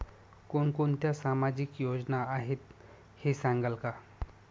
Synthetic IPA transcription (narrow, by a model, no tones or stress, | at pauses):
konkont̪jasamad͡ʑikjod͡znaːɦet̪ | hesãŋɡəlka